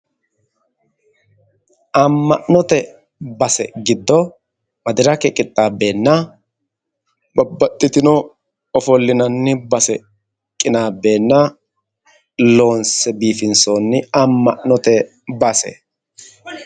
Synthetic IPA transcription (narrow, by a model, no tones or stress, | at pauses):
ʔɐmːɐʔnɔt̪ɛ | bɐsɛɡɪd̪ːɔ | mɐd̪ɪɾɐkɛkʼɪt̪ʼːaːbe̞ːnːɐ | bɐbːɐt̪ʼːɪt̪ɪnɔ | ɔfɔlːɪnɐnːɪbɐsɛ | kʼːɪnaːbe̞ːnːɐ | lo̞ːnsɛbiːfɪnsoːnːɪɐmːɐʔnɔt̪ɛ | bɐsɛ̰